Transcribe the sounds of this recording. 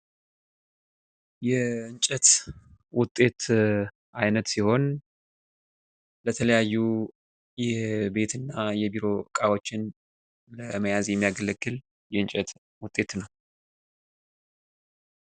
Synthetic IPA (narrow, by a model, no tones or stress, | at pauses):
jɛɨɲt͡ʃʼət̪wʊt̪ʼːe̞t̪ | ʔajnət̪siho̞n | lət̪ʰələjajːu | jɛbe̞t̪ʰɨnːajɛbiɾo̞kʼawo̞t͡ʃːɪn | ləməjazjɛmːijaɡələɡːɨl | jɛɨɲt͡ʃʼət̪ | wʊt̪ʼːe̞t̪nəw